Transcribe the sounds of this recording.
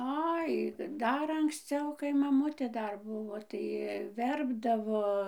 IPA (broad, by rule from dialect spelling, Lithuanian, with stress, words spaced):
ˈɐɪ ˈdɐr ɐŋksʲˈt͡sʲɛʊ kɐɪ mɐˈmʊtʲeː ˈdɐr ˈbʊʋoː tɐɪ ˈʋʲɛrbdɐʋoː